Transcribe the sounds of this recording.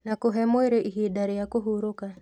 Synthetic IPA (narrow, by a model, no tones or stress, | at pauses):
nakoɦɛmweɾeʔiɦidaɾijakoɦuɾʊka